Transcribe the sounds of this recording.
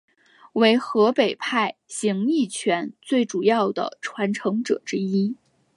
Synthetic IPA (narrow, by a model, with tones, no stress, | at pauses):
we˧˥ɪxɤ˧˥pe˨˩ɪpʰa˥˩ɪɕi˧˥ŋi˥˩t͡ɕʰɥɛ˧˥nt͡swe˥˩ɪʈ͡ʂu˨˩jɑ˥˩ʊd̪ə̰˩ʈ͡ʂʰwa˧˥nʈ͡ʂʰɤ˧˥ŋʈ͡ʂɤ̰˨˩ʈ͡ʂɻ̩˥i˥